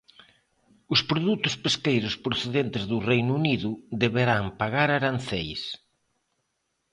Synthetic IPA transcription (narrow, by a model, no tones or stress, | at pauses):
ʊspɾoðut̪ʊspeskejɾʊspɾoθeðent̪ɪzðʊrejnuuniðʊd̪eβeɾaŋpaɣaɾaɾan̟θejs